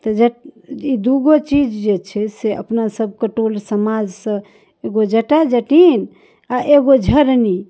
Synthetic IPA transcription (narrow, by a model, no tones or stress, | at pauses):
t̪ɔd͡ʒəid̪uɡot͡ʃid͡ʒd͡ʒet͡ʃʰɛseʔə̰pnasəb̚ʱkəʈolsəmad͡ʒsə̃ | eɡod͡ʒəʈad͡ʒəʈin | aʔeɡod͡ʒʱəɾni